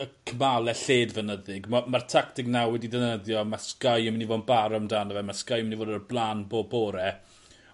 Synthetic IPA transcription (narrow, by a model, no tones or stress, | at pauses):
əkʰəmalˠɛɬeːdvənəðɪɡmamartʰaktɪknawwɛdidɛnəðjɔmaskajmnivobaɾɔmdaːnəvɛmaskajmɪnivoːdərblˠaːnboːboːɾɛ